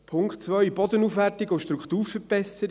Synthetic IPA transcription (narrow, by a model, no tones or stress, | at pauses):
pʰʊŋktt͡sʋœʏbɔd̪ənuːfʋærtɪɡʊʃtɾukχt̪uːɾfəb̥ɛsəɾ